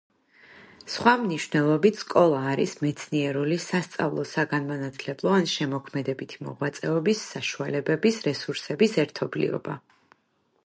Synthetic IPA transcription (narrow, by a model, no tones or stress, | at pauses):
sχwamniʃvnɛlˠɔbit̪ʰskʼɔlˠaːɾḭsmɛt̪sʰniɛɾulisast̪sʼa̰vlˠɔsaɡanmanat̪ʰlɛblˠɔanʃɛmɔkʰmɛd̪ɛbit̪ʰimɔ̰ʁwat̪sʼɛɔbisːaʃualɛbɛbisɾɛsuɾsɛbisɛɾt̪ʰɔblḭɔ̰ba̰